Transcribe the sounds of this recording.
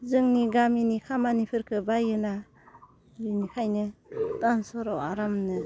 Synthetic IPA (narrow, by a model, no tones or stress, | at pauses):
zɯŋniɡaminikʰamanipʰɯɾkʰɯbajɯna | linikʰajnɯtansɔɾɔwa̰ɾamnɯ